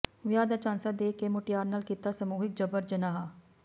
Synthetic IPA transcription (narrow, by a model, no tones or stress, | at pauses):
ʋɪjaːd̪aːt͡ʃãːnsaːd̪eːkeːmʊʈɪjaːɾnaːlkiːt̪aːsəmuːɦɪk̚d͡ʒəbəɾd͡ʒənaːɦaː